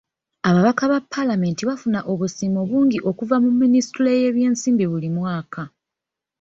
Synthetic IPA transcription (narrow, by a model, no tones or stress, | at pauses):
aβaβakaβapʰːalame̞ːntiβafunaʔo̞βusiːmo̞βuːŋɡiʔo̞kuvamumːinistuleje̞ːβje̞ːnsiːmbiβulimwaːka